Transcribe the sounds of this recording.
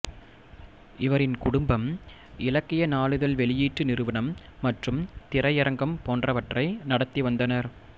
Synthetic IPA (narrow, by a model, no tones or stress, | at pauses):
ɪʋɐɾɪnkʊɽʊmbɐm | ɪlɐkːɪjɐnaːɭɯðɐlʋɛɭɪjiːʈrɯnɪɾɯʋɐɳɐmː | ɐʈrɯmt̪ɪɾɐjɪɾɐŋɡɐmpoːndrɐʋɐʈrɐɪnɐɽɐt̪ːiʋɐnd̪ɐnɐɾ